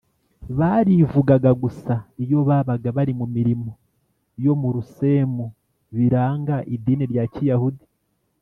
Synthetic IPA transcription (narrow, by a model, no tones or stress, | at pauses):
βaɾivuɡaɡaɡusaijo̞βaːβaɡaβaɾimumiɾimo̞ | jo̞muɾuse̞mu | βiɾaːŋɡaʔidiːniɾjacijahudi